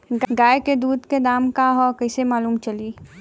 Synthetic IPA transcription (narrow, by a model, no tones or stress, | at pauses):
ɡɡaːeked̪uːd̪ked̪aːmkaɦɔkɐɪsemaːluːmt͡ʃɐliː